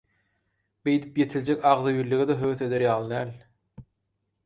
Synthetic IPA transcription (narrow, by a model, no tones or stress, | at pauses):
be̞jd̪i̥pjet̪ʰilʲd͡ʒekʲɑʁðɯjiɾlːiɣed̪ɑɦøwθe̞d̪eɾjɑːlˠɯd̪æːlʲ